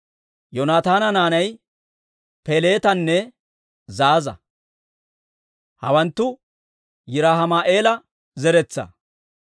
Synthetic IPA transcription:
jɔnaːt̪aːnɐnaːnɐj | pele̞ːt̪ɐnːɛ | zaːzɐ̰ | hɐ̰wɐnt̪ːʊ | jɪɾaːɦɐmaːʔe̞ːlɐ | zɛɾɛt͡sːɐ̰

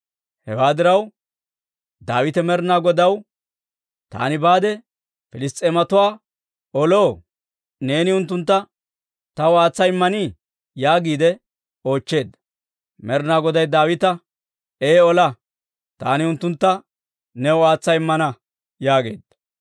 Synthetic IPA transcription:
hɛ̰waːd̪ɪɾɐw | d̪a̰ːwɪt̪ɛmɛɾnaːɡɔd̪ɐw | t̪a̰ːnɪbaːd̪ɛ | fɪlɪst̪ʼeːmɐt̪ʊwaː | ɔlo̞ː | ne̞ːnɪʊnt̪ːʊnt̪ːɐ | t̪ɐwaːt͡sːɐjɪmːɐniː | jaːɡiːd̪ɛ | o̞ːt͡ʃːe̞ːd̪ːɐ | mɛɾnaːɡɔd̪ɐjd̪aːwɪt̪ɐ | eːɔlɐ | t̪a̰ːnɪʊnt̪ːʊnt̪ːɐ | nɛwaːt͡sːɐjɪmːɐnɐ | jaːɡe̞̰ːd̪ːɐ

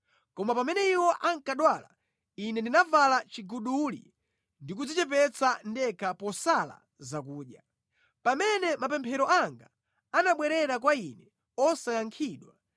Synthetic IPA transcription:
kɔmapamɛnɛiwɔʔaŋkaɗwaːla̰ | inɛndinavalat͡ʃiɡuɗulḭ | ndik̬ud͡zit͡ʃɛpɛt͡sandɛkʰapɔsala̰ | zakuːɗja | pamɛnɛmap̬ɛmpʰɛɾɔʔaŋɡa | anaɓwɛɾɛɾak̬wainɛ | ɔsajaŋkʰiɗwa

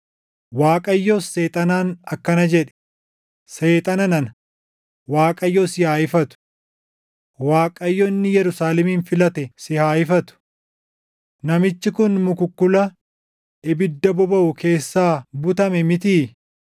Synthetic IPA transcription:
waːkʼɐjːoːsːe̞ːt̪ʼɐnaːnɐkːɐnɐd͡ʒɛᶑɛ̥ | se̞ːt̪ʼɐnɐnɐn | waːkʼɐjːoːsɪhaːɪfɐt̪ʊ̥ | waːkʼɐjːɔɪnːɪjɛɾʊsaːlɛmiːnfɪlɐt̪ɛsɪhaːjɪfɐt̪ʊ̥ | nɐmɪt͡ʃːɪkʊnmʊkʊkːʊlɐ | ʔɪbɪd̪ːɐbɔbɐʔʊkʰe̞ːsːaːbʊt̪ɐmɛmɪt̪iː

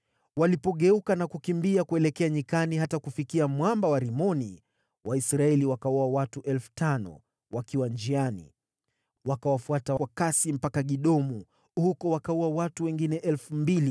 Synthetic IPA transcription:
walipɔɠɛukanakukimbiakuɛlɛkɛaɲikaniɦatakufikiamwambawaɾimɔni | wʔaisɾaɛliwakauawatuʔɛlfu̥tanɔ̰ | wakiwand͡ʒianḭ | wakawafuataakasim̩pakaɠiɗɔmu | hukɔwakauawatuwɛŋɡinɛʔɛlfumbili

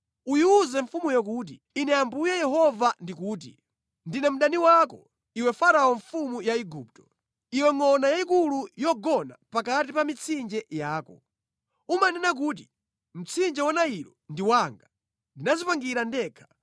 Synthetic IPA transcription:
ujuuzɛɱfumujɔk̬ut̬iːnɛjambujɛjɛɦɔvandikuːt̬i | ndinɛm̩ɗaniwakɔ | iwɛfaɾaɔɱfumujaiɡuːp̚tɔ̥ | iwɛŋɔnajaikulujɔɡɔna̰pakat̬ipamit͡sʰind͡ʒɛjaːkɔ̰ | umanɛnak̬uːt̬i | m̩t͡sʰind͡ʒɛwanaiɾɔndiwaŋɡa | ndinazipaŋɡiɾandɛːkʰḁ

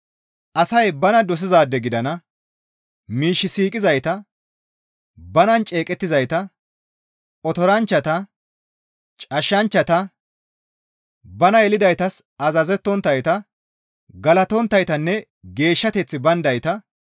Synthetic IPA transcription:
ʔɐsɐjbɐnɐd̪ɔs̬ɪzaːd̪ːɛɡɪd̪ɐnɐ | miːʃːɪsiːkʼɪzɐjt̪ɐ | bɐnɐnt͡ʃʼeːkʼɛt̪ːɪzɐjt̪ɐ | ɔt̪ɔɾɐnt͡ʃːɐt̪ɐ | t͡ʃʼɐʃːɐnt͡ʃːɐt̪ɐ | bɐnɐjɛlɪd̪ɐjt̪ɐsɐzɐzɛt̪ːɔnt̪ːɐjt̪ɐ | ɡɐlɐt̪ɔnt̪ːɐjt̪ɐnːɛ | ɡe̞ːʃːɐt̪ɛt͡sːɪbɐnd̪ɐjt̪ɐ

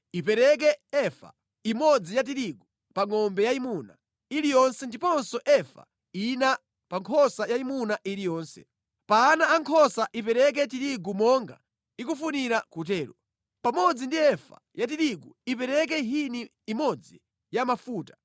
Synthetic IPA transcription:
ipɛɾɛk̬ɛɛfa̰ | imɔd͡zijat̬iɾiɡu | paŋɔmbɛjaimuna | ilijɔnsɛndipɔnsɔʔɛfa̰ | ina | paŋkʰɔsajaimunaʔiɾijɔːnsɛ̰ | paːnaːŋkʰɔsaʔipɛɾɛk̬ɛtiɾiɡumɔŋɡa | ikufuniɾakut̬ɛːɾṵ | pamɔd͡zindiɛfa̰jat̬iɾiɡuipɛɾɛk̬ɛɦiniː | mɔd͡zi | jamafuːtḁ

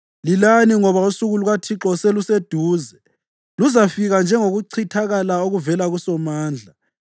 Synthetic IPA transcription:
lilaniŋɔβausuɣuluɣatʰiǁɔselused̥ʱuːzɛ | luzafiɣand͡ʒʱɛŋoɣuǀʰitʰaɣalaoɣuvɛlaɣusɔmaːnd͡ɮʱa

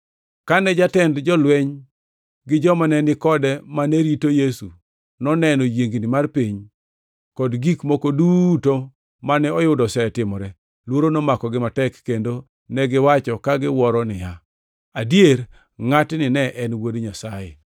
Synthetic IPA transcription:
kanɛd͡ʒatɛndd͡ʒɔlwɛɲ | ɡɪd͡ʒɔmanɛnɪkɔdɛmanɛɾitojesu | nɔnɛnɔjeŋɡnɪmarpiɲ | kɔdɡikmokoduːto | manɛɔjʊdɔsɛtɪmɔɾɛ | lwoɾonomakɔɡɪmatɛkːendo | nɛɡɪwat͡ʃɔkaɡɪwɔɾɔnɪja | adjeɾ | ŋatnɪnɛʔɛnwodɲasajḛ

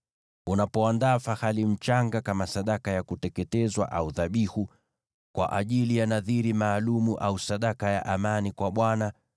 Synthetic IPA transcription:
unapɔandaːfahalim̩t͡ʃaŋɡakamasaɗakajakutɛkɛtɛzwa̰ʔauðaɓihu | kwa̰ʔaʄilijanaðiɾimaːlumuʔausaɗakajaʔamanikwaɓwana

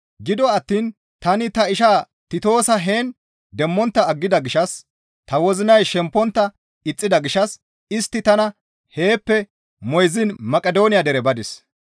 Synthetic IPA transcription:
ɡɪd̪ɔɐt̪ːiːn | t̪ɐnɪt̪ɐɪʃaː | t̪ɪt̪o̞ːsɐɦeːn | d̪ɛmːɔnt̪ːɐːɡːɪd̪ɐɡɪʃɐs | t̪ɐwɔzɪnɐjʃɛmpːɔnt̪ːɐ | ɪt͡sʼːɪd̪ɐɡɪʃɐs | ɪst̪ːɪt̪ɐnɐ | he̞ːpːɛ | mɔjzɪnmɐkʼɛd̪o̞ːnɪjɐd̪ɛɾɛbɐd̪ɪs

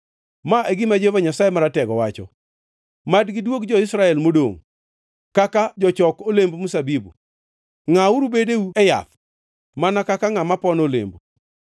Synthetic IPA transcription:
maʔeɡɪmad͡ʒevaɲasajemaɾatɛɡɔwat͡ʃɔ̰ | madɡɪdwokd͡ʒɔɪsɾaɛlmodo̰ŋ | kakad͡ʒɔt͡ʃɔkolembmusabibṵ | ŋauɾubedeuɛja̰t̪ | manakakaŋamapɔnolḛmbu

